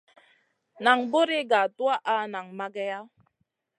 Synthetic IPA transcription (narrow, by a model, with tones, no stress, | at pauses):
na˨ŋbo˦ɾi˦ɡa˨twa˦ʔa˦na˨ŋma˦ɡɛ˦ja˦